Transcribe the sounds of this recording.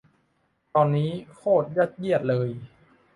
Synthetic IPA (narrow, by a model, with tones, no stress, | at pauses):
t̪ɔː˧nːiː˦˥kʰoː˥˩t̪̚ja˦˥˩t̪̚ji˥˩ət̪̚lɤː˧j